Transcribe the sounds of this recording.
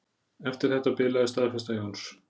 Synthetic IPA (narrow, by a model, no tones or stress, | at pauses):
ɛft̪ɪɾ̥θɛht̪ːapɪːlaðɪst̪aːðfɛst̪ajowns